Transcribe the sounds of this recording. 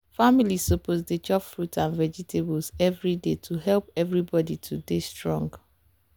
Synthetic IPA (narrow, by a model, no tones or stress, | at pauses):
familiopʰozdet͡ʃɔpfɹutãnvɛd͡ʒitʰebɔlsɛvɹidetʰuɦɛlˠpɛvɹibɔditʰudestɹɔ̃ŋɡ